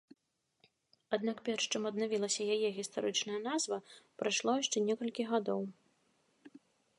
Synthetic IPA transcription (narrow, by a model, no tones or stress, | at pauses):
ad̪nakpʲɛrʂt͡ʂɨmɐd̪navʲilˠɐsʲɐjajɛɣʲist̪aɾɨt͡ʂnɐjɐnazvɐpɾajʂlˠɔjaʂt͡ʂɛnʲɛkɐlʲkʲiɣad̪ɔw